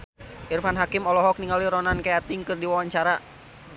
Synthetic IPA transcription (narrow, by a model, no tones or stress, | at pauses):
ʔirfanɦakimɔlɔɦɔk̚niŋaliɾɔnankajat̪iŋkɨrdiwawaɲt͡ʃaɾa